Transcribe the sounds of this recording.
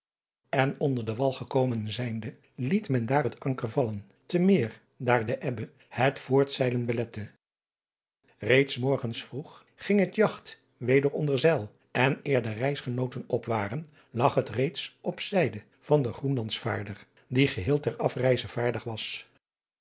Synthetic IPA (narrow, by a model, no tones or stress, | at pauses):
ɛnɔndəɹdəʋɑlˠχəkowmənzɛjndə | litmɛndaːɹɦətɑŋkəɹvɑlən | təmɪːɹ | daːɹdəʔɛbə | hətfʊːɹtsɛjlənbəlɛtə | rejtsmɔɹχənsfruχ | χɪŋɦətjɑχt | ʋejdəɹɔndəɹzɛlˠ | ɛnɪːɹdərɛjsχənowtənɔpʋaːrən | lɑχɦətrejtsʔɔpsɛjdə | v̥ɑndəχrunlɑntsfa̰ːɹdər | diχəɦɪːlˠtɛɹɑfrɛjzəv̥aːɹdəχʋɑs